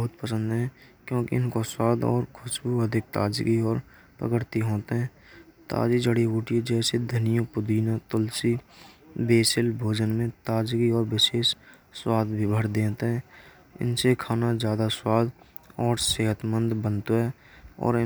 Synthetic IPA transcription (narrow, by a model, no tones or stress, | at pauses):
bəɦʊt̪̚pəsə̃nd̪ɦɛ̃ːkjõːkḭɪnkoswaːd̪ɔ̰ːɾkʰʊʃbuəd̪ʱɪk̚t̪a̰ːd͡ʒɡiɔːɾ | pɾə̰kəɾt̪iɦoːt̪eɦɛ̃ː | t̪a̰ːd͡ʒid͡ʒəɽiɦuːʈied͡ʒɛːsed̪ʱənijopʊd̪iːnat̪ʊlsi | beːsɪlbʱoːd͡ʒənmẽt̪aːd͡ʒɡiɔːɾwɪʃeːʃ | swaːd̪ʱbʱibʱəɾd̪ẽːt̪eɦɛ̃ː | ɪ̰nsekʰaːnazjaːd̪aswaːd̪ | ɔːɾseːɦət̪mə̃nd̪bə̃nt̪oɦɛː | ɔ̰ːɾɪ